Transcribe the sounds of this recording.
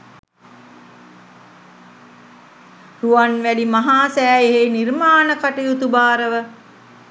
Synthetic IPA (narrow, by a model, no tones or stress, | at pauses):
ruʋanʋælimaɦaːsæːeɦenirmaːnəkaʈijut̪ubaːɾəʋə